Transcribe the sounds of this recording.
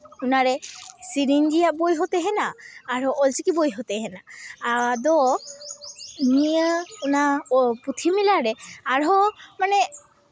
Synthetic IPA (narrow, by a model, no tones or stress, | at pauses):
unaɾɛsiɾiɲd͡ʒijaʔbojɦɔt̪ɛɦɛnaːɾɦɔʔɔlsikibojɦɔt̪ɛɦɛna | d̪ɔ | niəunaput̪ʰimilaɾɛaɾɦɔmanɛ